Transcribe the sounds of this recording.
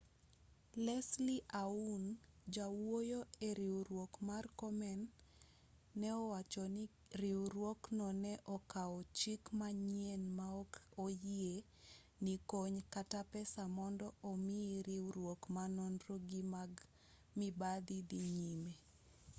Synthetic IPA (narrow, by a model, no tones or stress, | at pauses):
lɛsliʔaund͡ʒawojoeɾiwɾwokmarkɔmɛn | ɛɔwat͡ʃɔn | ɾiwɾwoknɔnɛʔɔkaɔt͡ʃikmaɲienmaɔkojie | nikoɲkatapɛsamɔndɔʔɔmɪiɾiwɾwokmanɔnɾoɡimaɡ | mibad̪id̪iɲime